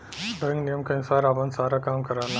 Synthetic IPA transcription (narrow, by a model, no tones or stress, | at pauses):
ɖɐ̃ŋɡnijəmkɐnsaːɾapənsaːɾakaːmkɐɾaːna